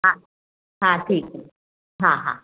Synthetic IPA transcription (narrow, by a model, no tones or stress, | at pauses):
ɦã | ɦãʈʰiːk | ɦãɦã̰